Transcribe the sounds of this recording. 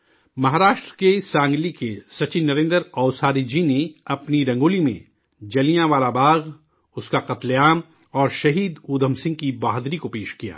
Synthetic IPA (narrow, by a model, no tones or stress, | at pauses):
mɐɦaːɾaːʃʈɾəkesãːŋɡlikesɐt͡ʃɪnːɐɾẽːnd̪əɾɔːʊsaːɾid͡ʒineɐpniɾɐ̃ŋɡoːlimḛ̃ | d͡ʒɐlijãʋaːlabaːɣ | ʊskaqɐt̪leaːm | ɔːɾʃɐɦiːd̪uːd̪ʱəmsɪ̃ŋɡ̚kibaːɦd̪ɾikopeːʃkija̰ː